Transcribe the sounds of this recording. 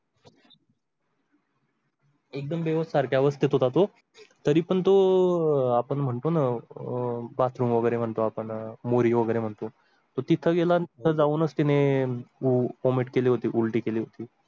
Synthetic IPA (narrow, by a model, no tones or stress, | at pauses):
ek̚d̪əmbeʋossaɾkʰjaʋəst̪ʰit̪ɦot̪at̪o | t̪əɾiːpəɳt̪o | apəɳm̤əɳt̪ona | bat̪ʰɾuːmʋəɡəjɾem̤əɳt̪oapəɳmoɾiʋəɡəjɾem̤əɳt̪o | t̪ot̪it̪ʰəɡelant̪it̪ʰəd͡zauːnət͡st̪ineuomeʈkeliːɦot̪iːʔulʈiːkeliːɦot̪iː